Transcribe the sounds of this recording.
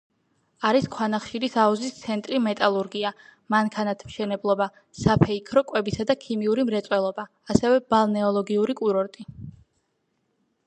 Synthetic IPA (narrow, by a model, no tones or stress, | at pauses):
aɾiskʰwanaχʃiɾisauzist̪sʰɛnt̪ʼɾimɛt̪ʼalˠuɾɡiamankʰanat̪ʰmʃɛnɛblˠɔba | sapʰɛikʰɾɔkʼwɛbisad̪akʰimiuɾimɾɛt̪sʼwɛlˠɔbaːsɛvɛb̥alˠnɛɔlˠɔɡiuɾikʼuɾɔɾt̪ʼi